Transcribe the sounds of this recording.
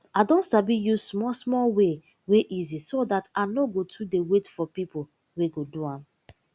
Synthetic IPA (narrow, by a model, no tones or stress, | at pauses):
adɔ̃ntsabijusmɔsmɔlwe | weʔizisodatanoɡotʰudewetfɔpipo | weɡoduãm